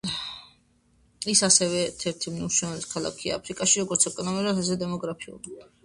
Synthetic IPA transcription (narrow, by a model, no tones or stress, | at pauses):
isasɛvɛɾt̪ʰɛɾt̪ʰimnuʃɛniskʰalˠa̰kʰia̰ːpʰɾikʼaʃiɾɔɡɔɾt̪sʰɛkʼɔnɔmiuɾat̪azɛd̪ɛmɔɡɾapʰiṵli